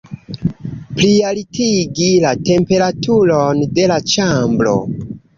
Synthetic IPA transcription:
plialitiɡilate̞mpe̞ɾatʰulonde̞lat͡ʃambɾo̞̰

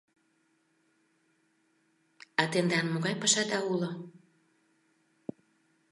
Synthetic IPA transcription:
ɑt̪end̪ɑnmoɣɑjpɑʃɑd̪ɑulo

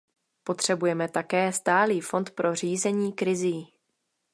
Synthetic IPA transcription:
po̞t̪r̝̥ɛbujɛmɛt̪akɛːst̪aːliːfo̞nt̪pɾʔo̞riːzɛɲiːkɾɪziː

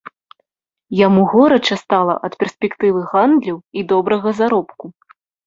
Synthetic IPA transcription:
jamuɣɔɾɐt͡ʂɐst̪alˠɐ̰ʔɐt̪pʲɛrsʲpʲɛkt̪ɨvɨɣand̪lʲɐwid̪ɔbɾɐɣɐzaɾɔpku

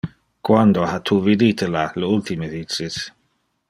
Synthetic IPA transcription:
kwand̪ohat̪ʰuːvid̪it̪ʰəlaləult̪iməðiis

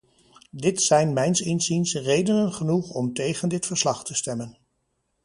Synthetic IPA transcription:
dɪtsɛjnmɛjnsɪnzinsrejdənənχənuχɔmtejχəndɪtfəɹslɑχtəstɛmən

